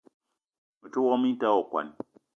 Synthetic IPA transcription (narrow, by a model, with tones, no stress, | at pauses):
mi˨tu˦wɔ˦mi˦ta˦o˨kwa̰˨n